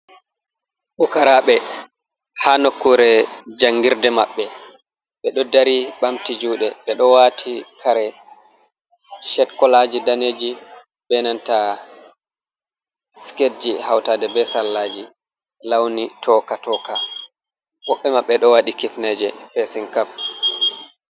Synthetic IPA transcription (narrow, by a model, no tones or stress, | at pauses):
ɓukaɾaɓɛ | hanokːuɾɛd͡ʒaŋɡiɾdɛmaɓːɛ | ɓɛɗɔdaɾiɓamtid͡ʒuːɗɛɓɛɗɔwatʰikʰaɾɛ | ʃɛtkɔlad͡ʒidaneːd͡ʒi | bɛnanta | skedd͡ʒihawtaːdɛbɛsalːad͡ʒi | lawnitʰɔkatɔːka | wɔɓːɛmaɓːɛɗɔwaɗikifnɛd͡ʒɛfesinkaf̚